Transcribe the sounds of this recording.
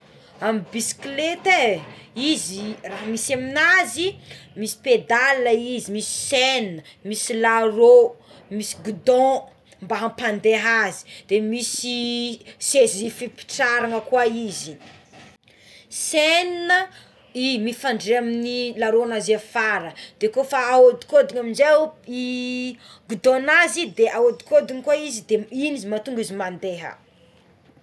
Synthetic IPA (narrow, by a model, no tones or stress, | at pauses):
ambisi̥klet̪eiziraɦəmisaminazimisi̥ped̪aləizimisi̥seninəmisilaɾo | misi̥ɡud̪ɔ̃ | mbaɦãpãnd̪eɦazi̥d̪̥emisisezifipi̥ʈ͡ʂaɾaŋəkwaizi | seninə | imifaɳɖ͡ʐeaminilaɾoanazefaɾəd̪̥ekofaːod̪i̥kod̪iɲaminzei | ɡud̪ɔ̃nazid̪eʔaod̪i̥kod̪iɲkwaizid̪einizimat̪uŋɡizimand̪eɦə̰